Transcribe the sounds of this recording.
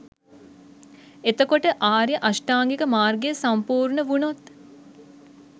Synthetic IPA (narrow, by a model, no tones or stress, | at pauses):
et̪əkoʈəʔaːɾjəʔasʈaːŋɡikəmaːrɡejəsampuːɾɳəʋunot̪